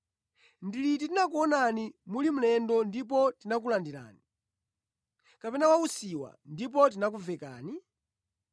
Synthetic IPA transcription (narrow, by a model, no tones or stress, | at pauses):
ndilit̬itinak̬uɔnanimulim̩lɛndɔndip̬ɔtinak̬ulandila̰ːni | kapɛnawausiwa̰ndip̬ɔt̬inak̬uvɛka̰ːni